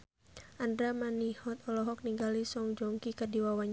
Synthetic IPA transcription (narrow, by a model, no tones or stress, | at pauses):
ʔandɾamanihɔt̪ɔlɔɦɔk̚niŋɡalisɔŋd͡ʒɔŋkikədiwawaɲ